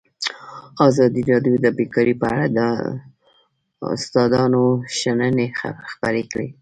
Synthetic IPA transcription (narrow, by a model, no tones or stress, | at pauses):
ɑzɑd̪iɾɑɖjod̪əbekɑɾipəaɽad̪ə | ʊ̰st̪ɑd̪ɑnoʃanənexpəɾekɽḛ